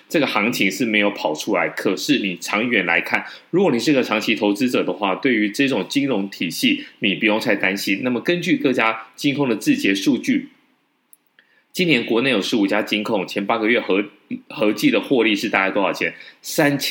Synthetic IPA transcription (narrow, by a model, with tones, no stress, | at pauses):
ʈ͡ʂɤ˥˩ɡə˩xɑ˧˥ŋt͡ɕʰi˧˥ŋʂɻ̩˥˩me˧˥ɪjo˧˥ʊpʰɑ˨˩ʊʈ͡ʂʰu˥la˧˥ɪkʰɤ˨˩ʂɻ̩˥˩ni˨˩ʈ͡ʂʰɑ˧˥ŋɥɛ˧˥nla˧˥ɪkʰa˥˩nɻu˧˥kwɔ˨˩ni˨˩ʂɻ̩˥˧ɡə˩ɑ˧˥ŋt͡ɕʰi˧˥t̪ʰo˧˥ʊt͡sɹ̩˥ʈ͡ʂɤ˨˩d̪ə˦xwa˥˧t̪we˥˩ɪy˧˥ʈ͡ʂɤ˥˩ʈ͡ʂʊ˨˩ŋt͡ɕi˥ŋɻʊ˧˥ŋt̪ʰi˨˩ɕi˥˩ni˨˩pu˧˥jʊ˥˧ŋt͡sʰa˥˩ɪt̪a˥nɕi˥nna˥˩mə˩kə˦nt͡ɕy˥˧kɤ˥˩t͡ɕja˥t͡ɕi˥ŋkʰʊ˥˩ŋd̪ə˩t͡sɹ̩˥˩t͡ɕjɛ˧˥ʂu˥˧t͡ɕy˥˩ | t͡ɕi˥njɛ˧˥nkwɔ˧˥ne˥˩ɪjo˨˩ʂɻ̩˧˥u˨˩t͡ɕja˥t͡ɕi˥nkʰʊ˥˩ŋt͡ɕʰjɛ˧˥npa˥ɡə˨ɥɛ˥˩xɤ˧˥ | xɤ˧˥t͡ɕi˥˩d̪ə˩xwɔ˥˧li˥˧ʂɻ̩˥˩t̪a˥˧t͡ɕa˥˩t̪o˥jɑ̰˥˩ʊt͡ɕʰjɛ̰˨˩˦nsa˥nt͡ɕʰ